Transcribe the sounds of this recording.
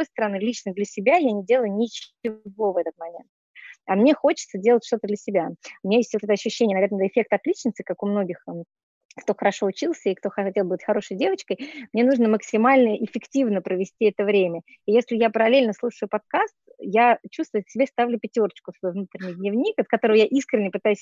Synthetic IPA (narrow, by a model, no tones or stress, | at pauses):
ojst̪əɾɐnɨlʲit͡ɕnəd̪lʲəsʲɪbʲajanʲɪdʲelˠʊjʊnʲɪt͡ɕɪvo̞vɛt̪ət̪mɐmʲe̞̰nt̪̚ | ɐmnʲe̞xo̞t͡ɕɪ̥t̪sədʲe̞lˠətʲʂt̪o̞t̪əd̪lʲəsʲɪbʲaʊmʲɪnʲajesʲtvot̪ɛt̪ɐɕːʏɕːenʲənɐvʲenɛt̪əɪfʲːe̞k̚t̪ɐt̪lʲit͡ɕnəsʲt̪ʲɪ̥kakʊmno̞ɡʲɪx | kt̪o̞xəɾɐʂo̞ʊt͡ɕilˠsʲəɪkt̪o̞xɐtʲelˠbɨətʲxɐɾo̞ʂəjdʲe̞vət͡ɕkəjmnʲe̞nuʐnəməksʲɪmalʲnəʔɪfʲɪktʲivnəpɾəvʲɪsʲtʲiɛt̪əvɾʲemʲə | ijesʲlʲɪjapəɾɐlʲelʲnəslˠuʂəjʊpɐt̪̚kast̪jat͡ɕust̪vʊjʊsʲɪbʲest̪avlʲʊpʲɪtʲo̞rət͡ɕkʊt̪əvnut̪ɾʲɪnʲɪjd̪nʲɪvnʲikɐt̪̚kɐt̪o̞ɾəvəjaʔiskɾʲɪnʲɪpɨt̪ajʉsʲ